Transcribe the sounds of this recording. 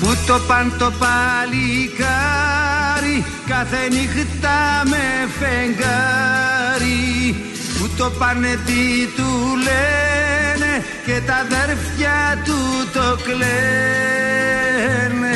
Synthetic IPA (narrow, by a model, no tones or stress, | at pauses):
put̪opant̪opalika | ɾi | kaθeniɣɨt̪ːamefeŋɡa | ɾi | put̪opanːet̪it̪ule | ne | ket̪aðeɾfjat̪ut̪okle | ne